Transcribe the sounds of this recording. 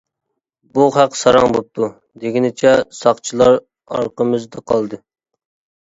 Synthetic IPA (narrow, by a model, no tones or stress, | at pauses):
buχæqsɑɾɑŋbop̚t̪ʰu | d̪eɡʲinɪt͡ʃʰɛsɑχt͡ʃʰilˠɑɾ | ɑ̰ɾqəmɨzd̪ɑqʰɑlˠd̪ɨ